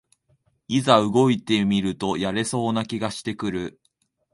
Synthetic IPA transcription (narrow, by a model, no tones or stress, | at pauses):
izaɯ̟ɡo̞it̪e̞mʲiɾɯ̟t̪o̞jaɾe̞so̞ːnakʲiɡaɕi̥t̪e̞kɯ̟ɾɯ̟